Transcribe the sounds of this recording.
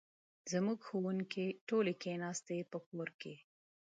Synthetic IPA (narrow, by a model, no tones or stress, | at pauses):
zəmuɡxowunkeʈolekenɑst̪epəkoɾke